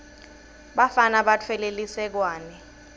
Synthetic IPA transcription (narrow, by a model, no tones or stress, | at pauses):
ɓafanaɓatʰwɛlelisɛk̬waːnɛ